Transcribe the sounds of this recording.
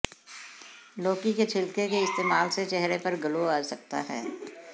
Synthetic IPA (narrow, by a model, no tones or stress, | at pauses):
loːkiket͡ʃʰɪlkekeɪst̪eːmaːlset͡ʃɛɦɾepɐɾɡɐloaːsɐk̚t̪a̰ɦɛː